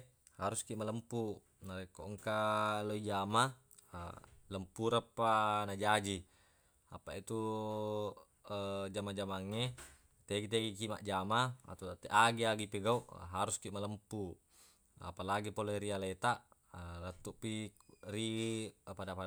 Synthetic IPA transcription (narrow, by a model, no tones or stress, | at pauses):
haɾuskiʔmaləmpu | naekːoʔŋkaloid͡ʒama̰ | ləmpuɾapːanad͡ʒad͡ʒi | apait̪u | d͡ʒamad͡ʒamaŋːe | t̪eɡit̪̬eɡikima̰ʔd͡ʒamaa̰t̪ot̪eʔaɡiaɡipeɡauʔɦaɾuskiʔmaləmpu | a̰palaɡipoleɾialet̪aʔ | lət̪ːuʔpiripadapa